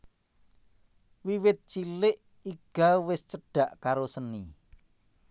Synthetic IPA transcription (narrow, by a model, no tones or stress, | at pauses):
wiwɪt̪̚t͡ʃilɪʔ | iɡ̥a̤wɪst͡ʃəɖ̥ä̤ʔkaɾosəni